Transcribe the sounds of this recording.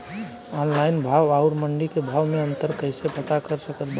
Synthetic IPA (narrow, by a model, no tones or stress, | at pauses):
ɔnlainbʱawauɾməɳɖikebʱawmeənt̪əɾkəɪsepət̪akəɾsəkət̪b